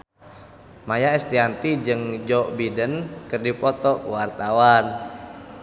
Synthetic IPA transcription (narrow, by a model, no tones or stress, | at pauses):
majaɛst̪iant̪id͡ʒɨŋd͡ʒɔʔbidənkɨrdipɔt̪ɔkuwart̪awan